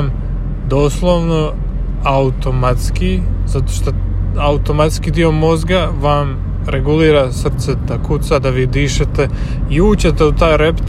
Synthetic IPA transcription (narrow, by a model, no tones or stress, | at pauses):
m | d̪o̞ːslˠoʋno̞ | aut̪omat̪skizat̪oʃt̪o | aut̪o̞mat̪skid̪io̞mo̞zɡaʋam | ɾeɡuliːɾasr̩t̪set̪akut̪sad̪aʋid̪iːʃet̪e | iuːt͡ɕe̞t̪e̞ut̪aːjɾe̞pt̪